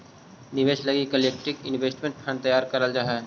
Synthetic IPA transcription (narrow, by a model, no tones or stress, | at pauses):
nɪʋeːʃlɐɡikəleːk̚ʈɪkɪ̃nʋeːsʈmẽɳʈpʰɛ̃nt̪ɐjaːɾkɐɾəld͡ʒaːɦɛː